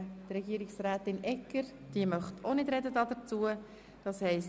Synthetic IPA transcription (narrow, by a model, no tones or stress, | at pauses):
t̪rɛɡiəɾɪksræːt̪ɪnɛkːəɾ | d̥iəmœχtʰonɪdɾɛdədɑːd̪əɾt͡suə | d̥ɑshɛɪs